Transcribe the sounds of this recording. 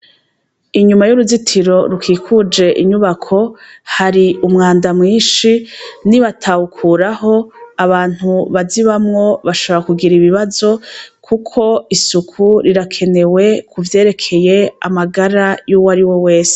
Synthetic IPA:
iɲumajuɾuzitʰiɾo̞ɾukiːkʰud͡ʒe̞ʔiɲuβakʰo̞haɾiumŋaːndamŋiːnʃiniβatʰawukʰuɾaho̞aβaːn̥huβaziβamŋo̞βaʃo̞βoɾakuɡiɾiβiβazo̞kʰukʰo̞isukʰuɾiɾakʰe̞ne̞we̞kʰuvje̞ːɾe̞kʰe̞je̞a̰maɡaɾajuːwaɾiwo̞we̞ːse̥

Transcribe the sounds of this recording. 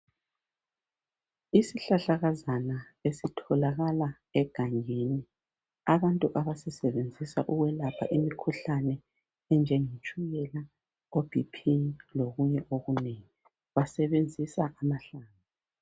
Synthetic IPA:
isiɬaɬaɣazanaesitʰɔlaɣala | ɛɡ̥ʱaŋini | aβantʼuʔaβasɛsɛβend͡zʱisa̰ʔuɣwɛlapʰa̰ʔimikʰuɬanɛ | ɛnd͡ʒʱɛŋit͡ʃʼujɛla | ob̥ʱipʰiloɣuɲɛʔoɣuneŋi | βasɛβend͡zʱisaʔamaɬaːna

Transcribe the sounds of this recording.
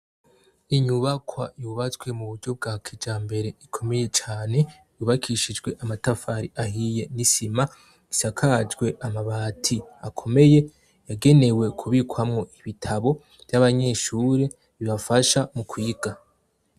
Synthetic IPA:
iɲuβakʰwa̰juβat͡sɡwe̞muβuɟo̞b̚ɡaːkʰid͡ʒaːmbe̞ɾe̞ikʰo̞me̞je̞t͡ʃaːne̞ | juːβakʰiʃid͡ʒɡwe̞ʔamatafaɾiʔaɦije̞nisima | isakʰad͡ʒɡwe̞ʔamaβaːtʰiakʰo̞me̞je̞ | jaɡe̞ne̞we̞kʰuβikwamŋo̞ʔiβitʰaβo̞ | v̥jaβaɲe̞ʃuːɾe̞ | βiβafaʃamukwiːɡa

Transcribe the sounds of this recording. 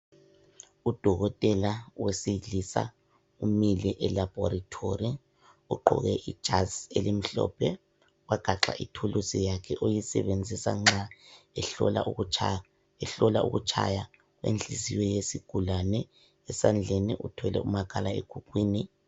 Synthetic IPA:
ud̥ʱɔɣɔtʼɛlawesilisa̰ | umilɛʔɛlab̥ʱɔɾatʰori | uǃɔ̰ɣɛʔid̥ʒ̥ʱazelim̩ɬɔ̰ːpʰɛ | waɡ̥ʱaǁa̰ʔitʰulusijakʰɛʔojisɛ̰βend͡zʱisa̰ŋ͡ǁa | la | ɛɬɔlaṵɣut͡ʃʰa̰ja | wḛnd͡ɮʱiziwɛjesiɡ̥ʱulanɛ | ɛsand͡ɮʱeniʔutʰɛlɛ̰umakʰʼalaḛɡ̥ʱukʰʼwiːni

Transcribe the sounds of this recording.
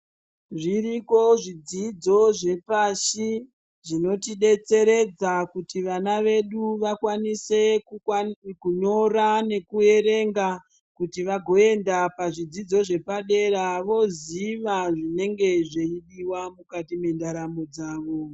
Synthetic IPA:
ʐiɾiko̞ʐid͡zid͡zo̞ʐe̞paʃi | ʐino̞tiɗe̞t͡se̞ɾe̞d͡zakutiʋanaʋe̞ɗuʋakwanise̞ | kuɲo̞rane̞kue̞ɾe̞ŋɡa | kutiʋaɡʱo̞e̞ndapaʐid͡zid͡zo̞ʐe̞paɗe̞ɾaʋo̞ziʋaʐine̞ŋɡe̞ʐeiɗiwamukatime̞ndaɾamo̞d͡zaːʋo̞

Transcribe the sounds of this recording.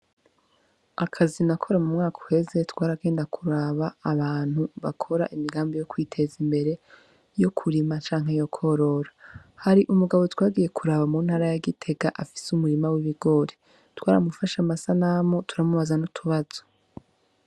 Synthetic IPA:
akʰazinakʰo̞ɾamumŋaːkʰu̥he̞ze̞twaːɾaɡe̞ːndakʰuɾaβaːβaːn̥huβakʰo̞ɾa̰ʔimiɡaːmbijo̞kwiːtʰe̞zimbe̞ɾe̞ | jo̞kʰuɾimat͡ʃaːŋ̥ɦe̞jo̞kʰo̞ɾo̞ɾahaɾiʔumuɡaβo̞twaːɡije̞kuɾaβamuːn̥haːɾajaɡitʰe̞ɡaʔafi̥sumuɾimawiβiɡo̞ɾe | twaːɾamufaʃamasanamotuɾamuβazanutʰuβaz̥o̞̥

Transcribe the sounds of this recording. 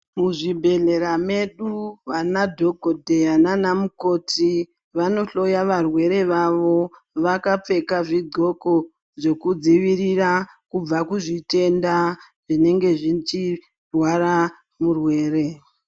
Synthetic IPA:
muʐibʱe̞ɮe̞ɾame̞ɗuʋanadʱo̞ɡʱodʱe̞ananamuko̞tʰi | ʋano̞ɬo̞jaʋarwe̞ɾe̞ʋaʋo̞ | ʋakap͡fe̞kaʐido̞ko̞ | ʐe̞kud͡ziʋiɾirakub͡vakuʐite̞nda | ʐine̞ŋɡe̞ʐit͡ʃi | rwaɾa | murwe̞ːɾe̞

